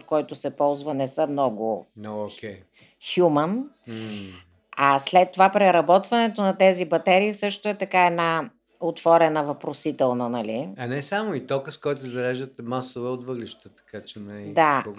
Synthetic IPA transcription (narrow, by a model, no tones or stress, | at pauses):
t̪kɔjt̪ʊsɛpɔlˠzvənɛsəmnɔɡʊokʲɛ | xjumən | aslɛt̪ːovapɾɛɾɐbɔt̪vɐnɛt̪onɐt̪ɛzibɐt̪ɛɾiːsɤʃt̪ʊɛt̪ɐkaɛna | ot̪v̥ɔɾɛnəvɐpɾosit̪ɛlˠnənɐliɐnɛsamoit̪ɔkəskɔjt̪ʊsɛzɐlɛʒd̪ət̪ɛmasovɛot̪vɤɡliʃt̪ət̪ɐ̥kat͡ʃɛnɐid̪a